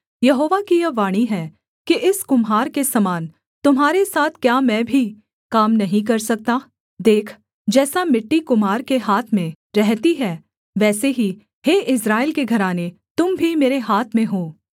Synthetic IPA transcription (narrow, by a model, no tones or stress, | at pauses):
jɐɦoːʋakijɐʋaːɽ̃iɦɛː | kiʔɪskʊmɦaːɾkesɐmaːn | t̪ʊmɦaːɾesaːt̪ʰkjaːmɛ̃ːbʱi | kaːmnɐɦĩk̬ɐɾsɐk̚t̪aː | d̪eːkʰ | d͡ʒɛːsamɪʈːikʊmaːɾkeɦaːt̪ʰmẽ | ɾɛɦt̪iɦɛː | ʋɛːseɦi | ɦeːʔɪsɾaːɪlkeɡʱɐɾaːne | t̪ʊmbʱimeːɾeɦaːt̪ʰmẽɦoː